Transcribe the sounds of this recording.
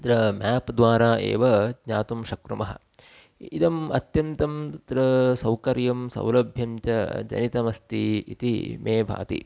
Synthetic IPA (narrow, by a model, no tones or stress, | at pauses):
d̪ɾɐmaːpd̪ʋaːɾaːʔḛːʋɐdɲaːt̪umʃɐkɾɐmɐɦɐ̰̆ | id̪ɐmɐ̰t̪jɐnt̪ɐmd̪̥ɾɐsɐwkɐɾjɐmsɐ̰wlɐbʱjɐmt͡ʃɐd͡ʒɐ̰nit̪ɐmɐst̪ḭḭt̪imeːbʱa̰ːt̪ḭ